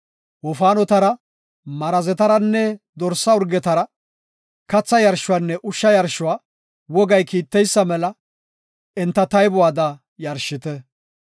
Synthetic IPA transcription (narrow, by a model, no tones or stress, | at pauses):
wɔfaːnɔt̪ɐɾɐ | mɐɾɐzɛt̪ɐɾɐnːɛd̪ɔɾsːɐʊɾɡɛt̪ɐɾɐ | kɐt͡sːɐjɐɾʃːʊwaːnːɛʔʊʃːɐjɐɾʃʊwaː | wɔɡɐjkiːt̪ːɛjsːɐmɛlɐ | ɛnt̪ːɐt̪ɐjbʊwaːd̪ɐ | jɐɾʃːɪt̪ɛ